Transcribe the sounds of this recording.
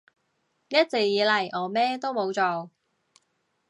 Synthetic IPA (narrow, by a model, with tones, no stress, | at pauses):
jɐ˥t̚t͡se˨k̚jiː˨˧lɐ˨˩jʔɔː˨˩mɛː˥t̪o˥wmo˨˧wt͡sɔː˨˩